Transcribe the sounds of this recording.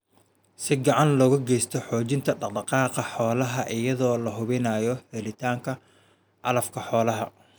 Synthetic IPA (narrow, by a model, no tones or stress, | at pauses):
sɪɡɑʕɑnlɔːɣɐɡɛjst̪ʰɔħɔːt͡ʃɪnt̪ʰɐɖɑɖɑqɑːqɑħɔːlɐɦɐʔɪjɐðɔːlɐɦʊβɪnaːjɔhɛlɪt̪ʰaːŋkʰɐ | ʔɑlɐfkʰɐħɔːlɐɦɐ̰